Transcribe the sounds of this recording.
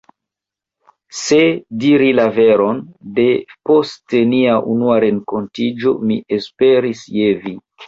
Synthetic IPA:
se̞diɾilave̞ɾo̞nde̞po̞steniaʔunuaɾe̞ŋko̞ntid͡ʒo̞̰miespe̞ɾisjevi

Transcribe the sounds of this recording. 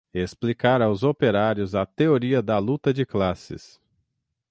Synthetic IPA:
esplikaɾawzopeɾaɾjʊzɐt̪eoɾiɐd̪ɐlut̪ɐd͡ʒɪklasɪ̰s

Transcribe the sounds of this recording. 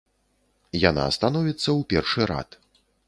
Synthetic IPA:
jana̰ːst̪anɔvʲit̪sːɐwpʲɛrʂɨɾa̰t̪

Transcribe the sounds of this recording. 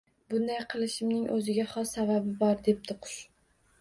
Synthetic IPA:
bʊnd̪ajqʰɨlˠɪʃɪmnɪŋʔɵzɪɡʲaχɒsababɪbɒɾd̪e̞p̚d̪ɪqʰʊ̥ʃ

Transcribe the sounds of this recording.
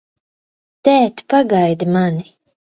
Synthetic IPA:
t̪æːt̪paɡajd̪imani

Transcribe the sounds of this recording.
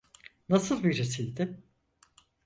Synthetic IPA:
nasɯlˠbiɾesijd̪ɪ

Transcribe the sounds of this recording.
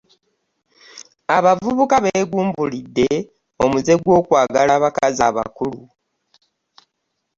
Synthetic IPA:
aβavuβukaβeːɡuːmbulidːe̞ | o̞muze̞ɡwo̞ːkwaːɡalaβakazaβa̰kulu

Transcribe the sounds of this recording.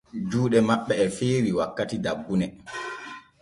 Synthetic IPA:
d͡ʒuːɗɛmaɓːɛːfeːɾiwakːatidabːunɛ

